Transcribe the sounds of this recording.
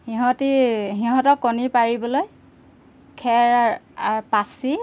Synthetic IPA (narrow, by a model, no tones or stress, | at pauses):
hiɦɔ̃tiɦiɦɔ̃tɔkːɔnipaɹibɔloj | kʰɛɹaaɹpasi